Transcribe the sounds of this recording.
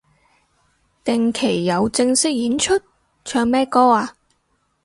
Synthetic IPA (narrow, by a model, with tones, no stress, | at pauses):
t̪ɪ˨ŋkʰe˨˩jːɐ˨˧wt͡sɪ˧ŋsɪ˥k̚jiː˨˥nt͡ʃʰɵ˥t̚ | t͡ʃʰœː˧ŋmɛː˥kɔː˥aː˧